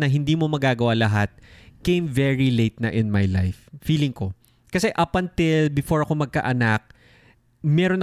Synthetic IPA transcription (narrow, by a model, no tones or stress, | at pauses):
nɐɦɪnd̪iːmo̞mɐɡaːɡɐwalɐɦat̪̚kẽjmvɛɹilejt̪̚nɐʔɪnmajla̰jfːiːlɪŋko̞ | kɐsɛʔɐpɐnt̪ɪlbɪfo̞ɹɐko̞mɐɡ̚kɐ̰ʔɐnak̚ | mɛɾonɐ